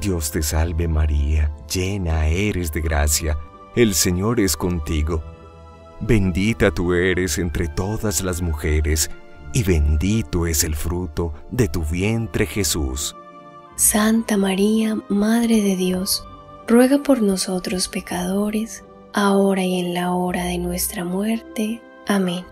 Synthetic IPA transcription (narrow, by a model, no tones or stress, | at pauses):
d̪jo̞st̪e̞salβe̞maɾiad͡ʒenaeɾe̞zd̪e̞ɣɾa̰sja | else̞ɲo̞ɾe̞sko̞nt̪iɣo̞ | be̞nd̪it̪at̪ueɾe̞se̞nt̪ɾe̞t̪o̞ðazlazmuxe̞ɾes | iβe̞nd̪it̪oe̞se̞lfɾut̪o̞ðe̞t̪uβje̞nt̪ɾe̞xesṵs | sant̪amaɾiamaðɾeðe̞ðjo̞s | rwe̞ɣapo̞ɾno̞so̞t̪ɾo̞spe̞kaðo̞ɾe̞s | ao̞ɾaie̞nlao̞ɾaðe̞nwe̞st̪ɾamwe̞ɾt̪e̞ | amẽn